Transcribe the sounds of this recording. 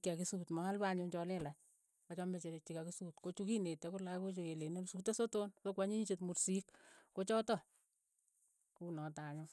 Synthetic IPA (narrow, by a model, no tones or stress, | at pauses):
kiakisutmaalbaɲoɲt͡ʃɔlɛla | kat͡ʃɔmet͡ʃet͡ʃikakisutkot͡ʃukinetekolakot͡ʃokelenesutesotonsokwaɲiɲit͡ʃetmuɾsikkot͡ʃɔtɔ | kunɔtaɲo